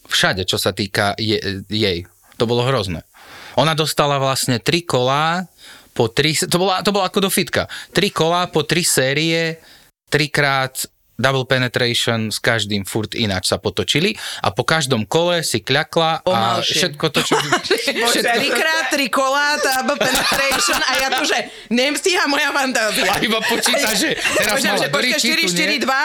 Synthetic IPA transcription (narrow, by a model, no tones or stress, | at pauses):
fʃaɟɛt͡ʃɔsat̪iːkajɛjɛj | t̪ɔbɔlɔɦɾɔznɛ̰ɔnad̪ɔst̪alaʋlasɲɛt̪ɾikɔlaːpɔt̪ɾist̪ɔbɔlat̪ɔbɔlaakɔd̪ɔfit̪ka̰t̪ɾikɔlaːpɔt̪ɾisɛːɾiɛ | tt̪ɾikɾaːt̪ | d̪abl̩ˠpɛnɛt̪ɾɛjʃɔnskaʒd̪iːmfuɾt̪ḭna̰ːt͡ʃsapɔt̪ɔt͡ʃiliʔa̰pɔkaʒd̪ɔmkɔlɛsikʎaklapɔamalʃɛt̪̚kɔt̪ɔt͡ʃ | ʃɛt̪ɾikɾaːt̪̚ːɾikɔlad̪abl̩pɛnt̪ɾɛʃɔnajatɔʒɛ | ɲɛmsiamɔjafant̪aːziaaibapɔt͡ʃiːt̪aʒɛt̪ɛɾazlɛbɔɾiɛʃiɾiʃt̪iɾid̪ʋa